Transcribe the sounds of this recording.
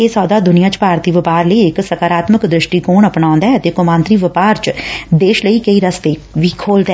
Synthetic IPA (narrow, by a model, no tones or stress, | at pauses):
eːsɔːd̪aːd̪ʊnijãːt͡ʃpaːɾt̪iːʋɪpaːɾləiːɪksəkaːɾaːt̪məkd̪ɾɪʃʈiːkoːɳəpnãːʊ̃nd̪aɦɛət̪eːkʊmãːnt̪ɾiːʋɪpaːɾt͡ʃd̪eːʃləiːkəiːɾəst̪eːʋiːkʰoːld̪aː